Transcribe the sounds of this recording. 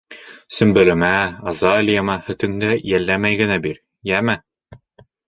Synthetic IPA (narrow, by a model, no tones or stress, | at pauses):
sɵ̆mbɵ̆lɘ̆mæɐzɑlʲijamɑhɵ̆t̪ɵ̆ŋd̪æjælːæmæjɡɘ̆næbiɾ | jæmæ